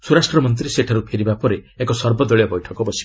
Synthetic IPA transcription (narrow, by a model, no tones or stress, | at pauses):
suɾasʈɾɔmɔnt̪̬ɾiseʈʰaɾupʰeɾibapɔɾeekɔsɔɾbɔd̪ɔɭijɔbɔjʈʰɔkɔbɔsi̥